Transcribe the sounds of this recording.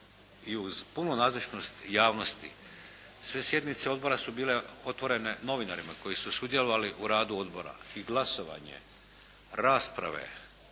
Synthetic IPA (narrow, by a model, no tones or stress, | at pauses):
iuzpunonaːd̪lˠit͡ʃno̞st̪jaːʋno̞st̪ḭ | sʋe̞sje̞d̪nit̪seo̞d̪bo̞ɾasubiːleo̞t̪ʋo̞ɾe̞ne̞no̞ʋinaɾimako̞jisusud̪je̞lo̞ʋaliʔuɾaːd̪uo̞d̪bo̞ɾa̰iɡlˠasoʋa̰ɲe̞̰ | ɾaːspɾa̰ʋe̞̰